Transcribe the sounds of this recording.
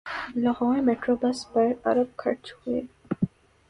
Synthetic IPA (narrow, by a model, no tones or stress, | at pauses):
lɐɣɔ̃ːemeːʈɾoːbɐspɐɾɐ̰ɾəb̚kʰɐɾt͡ʃhuḛː